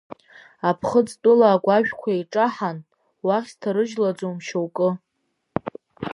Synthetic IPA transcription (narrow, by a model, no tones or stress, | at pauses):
apʰχət͡sʼtʼʊlaːɡʷaʒᶣkʷʰaiʈ͡ʂʼaħan | waχʲstʰaɾɨʒlad͡zomʃowkʼɨ